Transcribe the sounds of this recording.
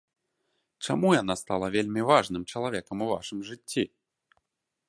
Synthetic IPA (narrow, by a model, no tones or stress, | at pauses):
t͡ʂamujanast̪alˠɐvʲelʲmʲivaʐnɨmt͡ʂɐlˠavʲɛkɐmuva̰ʂɨmʐɨt͡sʲːi